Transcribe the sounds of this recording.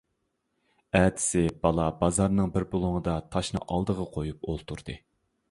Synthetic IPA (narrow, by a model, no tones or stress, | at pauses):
æːt̪ʰɪ̥sɪbɑlˠɑbɑzɑɾnɨŋbɪɾbolˠuŋəd̪ɑt̪ʰɑʃnɨ̰ʔɑlˠd̪əʁɑqʰojup̚olˠt̪ʰuɾd̪̥ɨ